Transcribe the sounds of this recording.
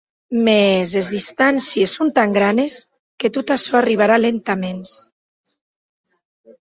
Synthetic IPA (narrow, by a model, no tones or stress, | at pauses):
mezezðist̪ansiesːont̪aŋɡɾanes | ket̪ot̪asɔariβ̞aɾalent̪amens